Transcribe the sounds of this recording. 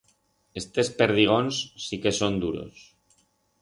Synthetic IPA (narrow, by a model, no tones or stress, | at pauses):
est̪espeɾðiɣ̞onsːikesond̪uɾo̰s